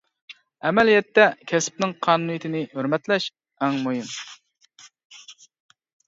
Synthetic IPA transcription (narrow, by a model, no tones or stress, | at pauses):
ɛmɛlijɛt̪ːɛkʲʰɛsp̚nɪŋqʰɑːnunijit̪ʰɪnɪhøɾmɛt̪lɛʃ | ɛŋmojim